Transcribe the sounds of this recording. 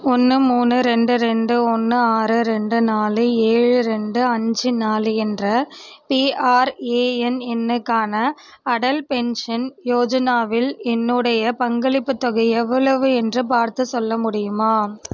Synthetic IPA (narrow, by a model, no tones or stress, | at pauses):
ɔnːɯmuːnɯɾɛɳɖɯɾɛɳɖɯɔnːɯaːɾɯɾɛɳɖɯnaːlɯeːɻɯɾɛɳɖɯɐɲd͡ʒɯnaːlɯɛndrɐpiːʔaːɾeːɛnɛnːɯkːaːnɐ | ɐɽɐlpɛnʂɐnjoːd͡ʒɐnaːʋɪlɛnːɯɽɐjɐpɐŋɡɐɭɪpːɯt̪ːɔɣɐɛʋːɐɭɐʋɯɛndrɯp̬aːɾt̪ɯsɔlːɐmʊɽɪjɯmaː